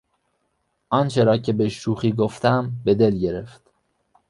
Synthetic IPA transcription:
ʔɒːnt͡ʃʰe̞ɾɒːcʰe̞beʃuːxiːɡoft̪ʰæmbe̞d̪e̞lɟe̞ɾeft̪

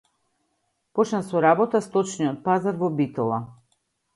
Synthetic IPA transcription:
pɔt͡ʃnasɔɾabɔt̪ast̪ɔt͡ʃniɔt̪̚pazaɾvɔbit̪ɔlˠa

